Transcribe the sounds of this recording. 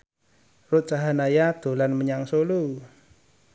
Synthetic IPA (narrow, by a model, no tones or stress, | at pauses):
rʊt̪̚t͡ʃaɦanajad̪̥o̤lanməɲaŋsolu